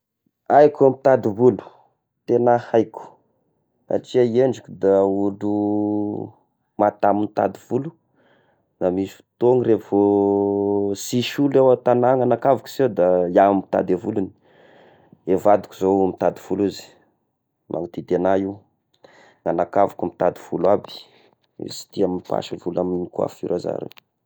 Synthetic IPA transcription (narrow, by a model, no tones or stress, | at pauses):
ajkamit̪ad̪ivulu̥ | t̪enahajkʲu̥ | a̰ʈ͡ʂiaeɳɖ͡ʐikʲud̪auɖ͡ʐu | mat̪amunt̪a̰d̪iv̥ulu̥ | namisu̥t̪oŋirevo | siʃulewat̪anaŋanakavuki̥zewd̪ajaamit̪a̰d̪evuluni | evad̪u̥kuzomit̪ad̪iv̥uluzi̥ | mʔa̰ŋit̪id̪eanaiw | ŋanakavukumit̪ad̪iv̥ulabi̥̰ | si̥t̪iamipa̰ʃivulaminikwa̰fṵɾaza̰ɾḛ